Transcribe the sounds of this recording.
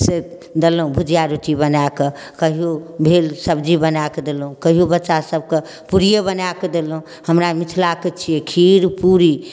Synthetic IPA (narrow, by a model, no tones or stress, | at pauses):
se | d̪elɦũbʱud͡ʒjaɾuʈibənake | kəɦijobʱelsəbd͡ʒibənaked̪elɦũkəɦijobətːʃasəb̚ke | puɾijəbənaked̪elɦũ | həmɾamit̪ʰlaket͡ʃʰijɛkʰiɾpuɾi